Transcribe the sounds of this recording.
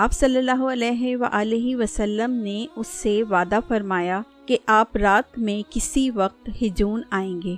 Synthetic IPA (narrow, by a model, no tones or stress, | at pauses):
aːpsɐlːəlːaːɦoɐlɛːɦeʋɐ̰ʔaːleɦiʋɐsɐlːəmneʊsːeʋaːd̪afɐɾmaːja | keʔaːpɾaːt̪mẽkɪsiʋɐq̚t̪hɪd͡ʒuːnaːẽːŋɡeː